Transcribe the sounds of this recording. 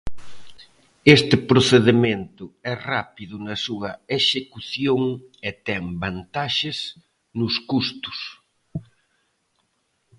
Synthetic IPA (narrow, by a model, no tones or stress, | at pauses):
est̪ɪpɾoθeðement̪ʊɛrapiðʊnɐsuɐeʃekuθjoŋɪt̪ɛŋbant̪aʃɪs | nʊskust̪ʊ̥s